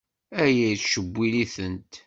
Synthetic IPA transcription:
æjæjθʃəbʷːiliθənt̪

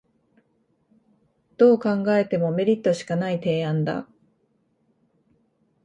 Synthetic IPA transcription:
d̪̥o̞ːkãŋɡae̞t̪e̞mo̞me̞ɾʲit̪ːo̞ɕi̥kanait̪e̞ːãnd̪a̰

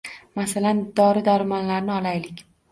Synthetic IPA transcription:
masaland̪ɒɾɪd̪aɾmɒnlaɾnɪɒlajlɪkʲ

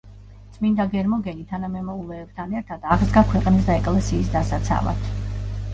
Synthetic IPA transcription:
t̪sʰʼmind̪aɡɛɾmɔɡɛnit̪ʰanamɛmɔulˠɛːb̥t̪ʰanɛɾt̪ʰad̪aʁzɡakʰwɛqʼnis̬d̪aɛkʼlɛsiːsd̪asat̪sʰa̰va̰t̪ʰ

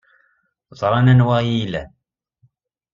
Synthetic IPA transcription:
ðˤɾˤɑnænwæjilæ

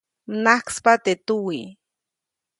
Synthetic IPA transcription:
mnahkspat̪et̪uwi

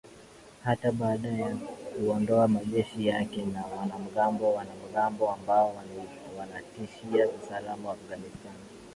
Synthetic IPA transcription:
hataɓaːɗajɛkuɔndɔamaʄɛʃijakɛnawanam̩ɡambɔwanam̩ɠambɔambaɔw | wanatiʃiausalamawaːfɡanistani

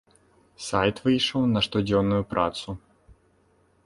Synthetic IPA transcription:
sajt̪vɨjʂəwnɐʂt̪ɔd͡zʲɔnːʊjupɾa̰t̪su

